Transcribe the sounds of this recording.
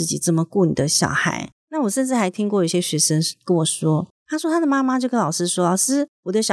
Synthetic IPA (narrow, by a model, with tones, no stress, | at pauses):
ɹ̩˥˩t͡ɕi˨˩t͡sə˥˩mə˩kwu˥˩nḭ˨˩d̪ə˦ɕjɑ̰˨˩ʊxa̰˧˥ɪna˥˩wɔ˨˩ʂə˥˧nʈ͡ʂɻ̩˥˩xa˧˥ɪt̪ʰi˥ŋk̬wɔ˥˩jo˨˧˥ɕjɛ˥ɕɥɛ˧˥ʂə˥ŋkə˥˦nwɔ˨˩ʂwɔ˥t̪ʰa˥ʂwɔ˥t̪ʰa˥d̪ə˨˩ma˥ma˧t͡ɕjo˥˩ʊkə˥nlɑ˨˩ʂɻ̩˥ʂwɔ˥lə˨˩ʂɻ̩˥˩wɔ˨˩d̪ə˦ɕjɑ˨˩